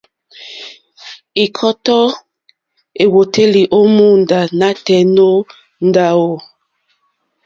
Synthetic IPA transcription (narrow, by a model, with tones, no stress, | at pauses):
i˨kʰɔ˦tɔ˦ | e˨wo˨te˦li˨ʔo˦mu˦˨n˨da˨na˦tɛ˨no˦ | n̩˦da˨wo˦˨